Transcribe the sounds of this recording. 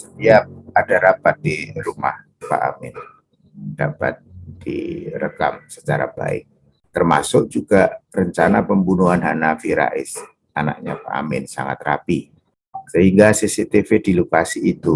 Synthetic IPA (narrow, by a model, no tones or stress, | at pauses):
sə̥t̪iap̚adaɾapat̪̚diɾuma̰h | pa̰ʔa̰mɪn | d̥apa̰t̪̚d̥ḭɾə̰kamsət͡ʃaɾa̰b̥a̰ɪ̰k̚ | t̪ərma̰sʊk̚d͡ʒuɡ̥arəɲt͡ʃanapəmbunuanɦanafiɾa̰ʔɪs | ana̰k̚ɲa̰pa̰ʔa̰mɪnsa̰ŋa̰t̪̚rapi | səɦiŋɡasisit̪efedilokasiːt̪u